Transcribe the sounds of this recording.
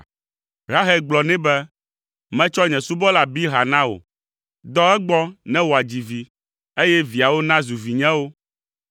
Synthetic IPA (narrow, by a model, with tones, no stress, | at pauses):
ɦa˦ɦɛ˦ɡ͡blɔ˨nɛ̃˦bɛ˦ | mɛ̃˦t͡ʃɔ˦ɲɛ̃˨su˦bɔ˦la˨bi˦ɦa˨nã˦o̰˨ | d̪ɔ˦ɛ˦ɡ͡bɔ˦nɛ̃˦wo˨a˨d͡ʑi˨vi˨ | e˦jɛ˦vi˨a˨wo˦nã˦zu˨vi˨ɲɛ̃˦wo˦